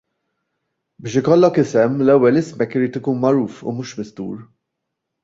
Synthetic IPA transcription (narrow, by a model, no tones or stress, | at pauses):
bɪːʃɪkɔlːɔkɪsɛmlɛwːɛlɪsmɛkːɪɾiːt̪ɪkuːnmɐɾuːfṵmuːʃmɪst̪ṵːɾ